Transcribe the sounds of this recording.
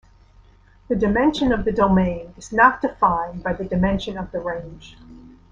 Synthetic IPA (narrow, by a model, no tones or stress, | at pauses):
ðɨdɨmɛ̃nʃɨ̃nʌvðɨdoʊmẽɪ̃nɨz̥nət̚d̥ɨfãɪ̃nbaɪðɨdɨmɛ̃nʃɨ̃nʌvðəɹẽɪ̃nʒ̥